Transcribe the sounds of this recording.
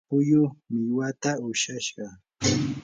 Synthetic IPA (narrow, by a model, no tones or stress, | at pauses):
pʊjʊmɪwat̪aʊʃaʃɢɑ